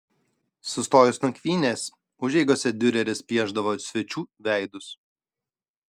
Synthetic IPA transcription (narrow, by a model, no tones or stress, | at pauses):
sʊst̪oːjʊsnɐkʲʋʲiːnʲeːs | ʊʒʲɛɪɡosʲɛd̪ʲʊɾʲɛɾʲɪspʲiɛʒd̪ɐʋoːsʲʋʲɛt͡ʃʲuːʋʲæˑɪd̪ʊs